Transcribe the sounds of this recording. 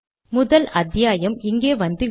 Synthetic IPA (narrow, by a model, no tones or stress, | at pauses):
mʊðɐlɐðjaːjɐmɪŋɡeːʋɐnd̪ɯ